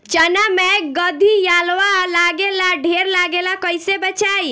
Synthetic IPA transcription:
t͡ʃənameɡəd̪ʱijaːlʋalaɡelaɖʱeɾlaɡelakəjsebət͡ʃaːi

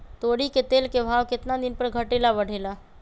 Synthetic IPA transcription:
t̪oɽiket̪elkebʱaʋkɪt̪nad̪inpəɾɡʱəʈelabəɽ̤ela

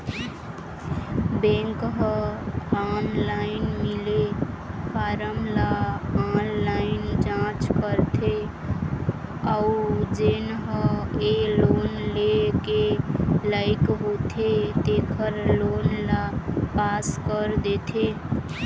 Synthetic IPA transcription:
bẽŋkɦə̃anlaɪnmile | paɾəmlaanlaɪnd͡ʒãt͡ʃkəɾt̪ʰe | aud͡ʒenɦə̃elonlekelaɪkɦot̪ʰet̪ekʰəɾlonlapaskəɾd̪et̪ʰe

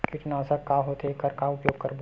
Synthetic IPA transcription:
kɪʈnãːsəkːaɦot̪ekɐɾkaʊpjoːɡ̚kɐɾbʱo

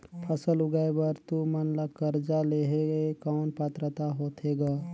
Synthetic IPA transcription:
pʰəsəlʊɡaebəɾt̪umənlakəɾd͡ʒaleːɦeɡekaːnpət̪ɾət̪aɦoːt̪ʰeːɡaː

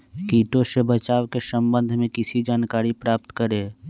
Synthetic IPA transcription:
kiːʈõsebət͡ʃaːwkesəmbə̃nd̪ʱmẽkɪsid͡ʒaːnkaːɾipɾaːp̚t̪kəɾeː

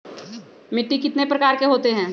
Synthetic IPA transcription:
mɪʈːikɪt̪nepɾɐkaːɾkeɦoːt̪eɦɛ̃ː

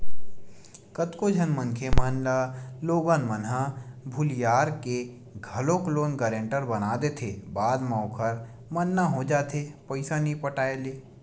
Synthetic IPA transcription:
kət̪kod͡ʒʱɐnmə̃nkʰemaːnlaloːɡaːnmənɦabʱʊljaːɾke | ɡʱɐlõkloːnɡəɾẽːɳʈəɾbɐnaːd̪et̪ʰeːbaːd̪maːkʰəɾ | mɐnːaɦod͡ʒaːt̪ʰepəɪsanĩpəʈaːeleː

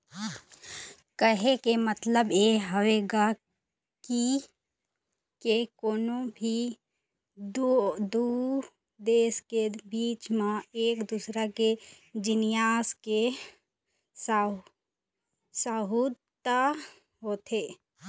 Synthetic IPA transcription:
kəɦekemət̪ləbeɦəʋeːɡa | ki | kekoːnõbʱi | d̪od̪u | d̪eːskebiːt͡ʃmãeːkd̪usɾake | d͡ʒɪnɪjaːske | s | saːɦu | t̪a | ɦoːt̪ʰeː

